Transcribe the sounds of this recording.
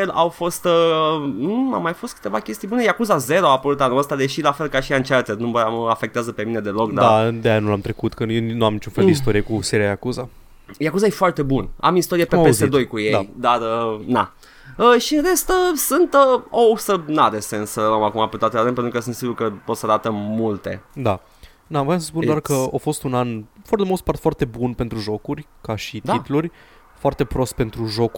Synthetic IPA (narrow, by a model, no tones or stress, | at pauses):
elʔawfo̞st̪ə | a̰mːajfo̞st̪kɨ̥t̪e̞vakʲe̞st̪ijbune̞jakuzaze̞ɾoaapəɾut̪anuəst̪ad̪e̞ʃilafe̞lkaʃiant͡ʃart̪ernuməməafek̚t̪eazəpe̞mine̞d̪e̞lo̞kd̪aɾad̪eanulamt̪ɾekut̪kəjenuamnit͡ʃunfeld̪eist̪o̞ɾiekuseɾiajakuza | jakuzajefoart̪e̞buna̰mist̪o̞ɾiepepesed̪o̞jkujead̪arəna | əʃiɨnɾe̞st̪əsunt̪əosənad̪esensəlləmakumapet̪at̪lad̪ənpent̪ɾukəs̬ɨnt̪siɡuɾkəpo̞t̪səaɾat̪əmmult̪e̞̰d̪a | navojamsəspund̪oarkəofo̞st̪unanfart̪emost̪part̪foart̪e̞bunpe̞nt̪ɾuʒo̞kurʲ | kaʃit̪it̪lurʲ | foart̪e̞pɾo̞st̪̚pe̞nt̪ɾuʒo̞k